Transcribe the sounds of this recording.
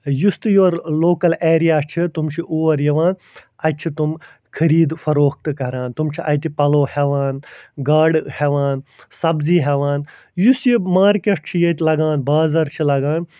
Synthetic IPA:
just̪ɨjoːɾloːkɐleːɾijaːt͡ʃʰit̪umt͡ʃʰiʔuːʋɐɾjɐʋaːn | ɐt͡ʃʰit̪um | kʰɐɾiːd̪fɐɾoːk̚t̪ɨkɐɾãːnt̪umt͡ʃʰiʔɐjt̪ipɐloːheʋaːnɡaːɖheʋaːnsɐbziːɦeʋaːn | jusjimaːɾkeʈ̚t͡ʃʰijet̪ʲlɐɡaːnbaːzɐɾt͡ʃʰilɐɡaːn

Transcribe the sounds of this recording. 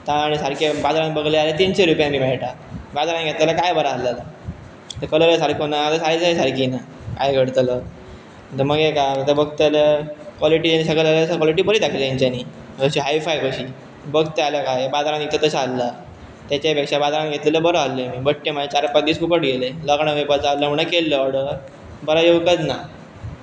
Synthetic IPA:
t̪ãːɽ̃isaɽkebad͡zaɾãnbəɡlealet̪inseɾupjãmiːmɛɭʈa | bad͡z̪aɾãnɡʱet̪lalakajbəɾaːlala | t̪əɾkələləsaɽkonaat̪asaɽisaisaɾkina | kajɡʱəɽt̪lə | ət̪əɾməɡekaət̪əbəɡt̪aləkʋɔliʈiːd͡ʑenisəɡəlaleəsəkʋɔliʈ̬iːbəɾid̪akʰleiɲt͡ɕaniː | əɕiɦajfajkəɕiː | bəɡt̪ealəkajbad̪aɾãnɡʱet̪ət̪əɕːlːa | t̪jat͡ɕapekʂabad̪aɾãnɡʱet̪liləbəɾəalːemiːbəʈʈːemaet͡ɕaɾpak̚d̪iːsfukəʈɡʱeleləɡɳəɡepət͡salːəməɳakelːəɔɽə | bəɾajoʋkəd͡z̪na

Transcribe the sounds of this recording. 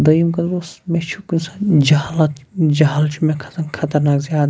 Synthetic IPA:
d̪ɐimkɐnosmẽt͡ʃʰukunsãd͡ʒɐɦalɐt̪d͡ʒɐɦaːlt͡ʃʰumẽkʰɐ̥t̪ɐkkʰɐt̪ɐɾnaːkzjaːd̪

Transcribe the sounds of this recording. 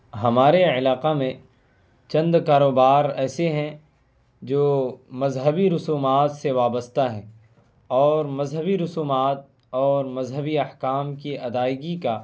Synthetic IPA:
ɦɐmaːɾeɪlaːqamẽ | t͡ʃɐ̃nd̪kaːɾoːbaːɾɛːseɦɛ̃ | d͡ʒoːmɐzɦəbiɾʊsuːmaːt̪seʋaːbəst̪aɦɛ̃ː | ɔːɾmɐzɦəbiɾʊsuːmaːt̪̚ | ɔːɾmɐzɦəbiɐhkaːmkiʔɐd̪aːɪɡika

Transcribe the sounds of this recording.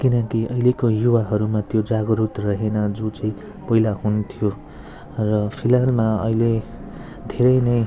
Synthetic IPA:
kinʌkiʌilekojuwaɦʌɾumat̪jod͡zaɡʌɾut̪rʌɦenʌd͡zot͡sʌĩ | pʌɦilaɦunt̪ʰijo | rʌpʰilalmaʌ̰ile | d̪ʱeɾʌjnʌj

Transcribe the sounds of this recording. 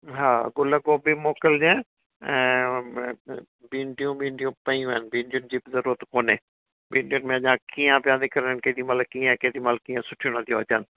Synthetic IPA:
ɦaːɡʊləɡoːbimoːkəld͡ʑẽ | ɛ̃ː | bĩːɳɖijũbĩːɳɖijũpɐ̃iũanbĩːɳɖiʊnɪd͡ʑiːbɪzɐɾuːɾət̪koːneː | biːɳɖijʊnmẽɐʄãkiːə̃ʋjãːnd̪ikɐɾnənked̪imal̚kiːə̃keːd̪imalkiːə̃sʊʈʰijũnɐ̃nd̪ijõɐt͡ɕən̆

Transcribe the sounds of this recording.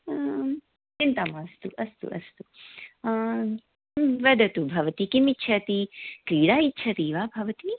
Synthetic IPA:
t͡ʃint̪ɐmast̪uʔɐst̪ṵʔɐ̰st̪u | ʋɐd̪ɐt̪ubʱɐʋɐt̪ikimitːʃʰɐt̪ikɾiːɽaːitːʃʰɐt̪iʋaːbʱɐʋɐt̪i

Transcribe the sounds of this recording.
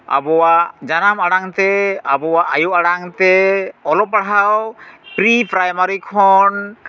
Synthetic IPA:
a̰bɔwaʔd͡ʒanamaɽaŋt̪ɛabɔwaʔajuʔaɽaŋt̪ɛɔlɔpaɽɦawpɾipɾajmaɾikʰɔn

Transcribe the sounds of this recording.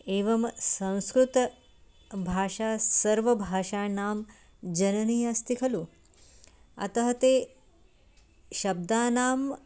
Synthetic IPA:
eːʋɐmsɐ̃w̃skɾut̪ɐ | bʱaːʃaːsɐɾʋɐbʱaːʂaːnaːm | d͡ʒɐnɐnijaːst̪ikʰɐlu | ɐ̰t̪ɐɦɐt̪eː | ʃɐb̚d̪aːnaːm

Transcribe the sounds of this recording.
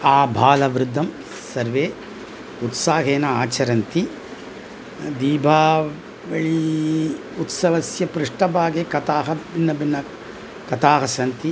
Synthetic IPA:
aːbʱaːlɐʋɾud̪ʱːɐm | sɐɾʋeː | ut̪saːɦeːnɐaːt͡ʃɐɾɐnt̪i | d̪iːbʱaː | ʋɐɭi | ut̪sɐʋɐsjɐpɾɪʂʈɐbaːɡeːkɐt̪aːɦɐbinːɐbinːɐ | kɐt̪aːɦɐsɐnt̪i

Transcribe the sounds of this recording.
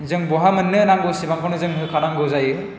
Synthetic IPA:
zɯŋbɔɦamɯnːɯnaŋɡɯwsibaŋkʰɔnɯzɯŋɦɯkʰanaŋɡɯwzajɯ

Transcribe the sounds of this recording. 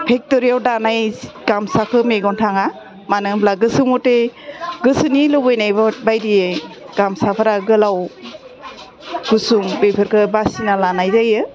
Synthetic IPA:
pʰek̚tɔɾijawdanajɡ̥amsakʰɯmeɡɔntʰaŋa | manɯŋblaɡɯsɯmɔteɡɯsɯnilɯbɯjnajbbajdije | ɡ̥amsapʰaɾaɡɯlaw | kʰusuŋbepʰɯɾkʰɯbasinalanajzajɯ

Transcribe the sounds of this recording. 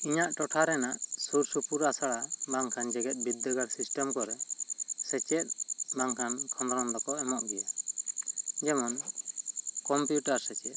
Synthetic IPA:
iɲaʔʈɔʈʰaɾɛnaʔsuɾsupuɾasaɽabaŋkʰand͡ʒɛɡɛt̪̚ˀbid̪ːəɡaɽsisʈɔmkɔɾɛsɛt͡ʃɛt̪̚baŋkʰankʰɔnd̪ɾɔnd̪ɔkɔɛmɔʔɡɛja | d͡ʒɛmɔn | kɔmpjuʈaɾsɛt͡ʃɛt̪

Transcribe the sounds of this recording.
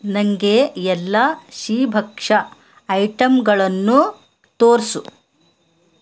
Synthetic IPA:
nɐŋɡeɛlːɐʃiːbʱɐkʂɐː | jʈɐmɡɐɭɐnːu | t̪oːɾsu

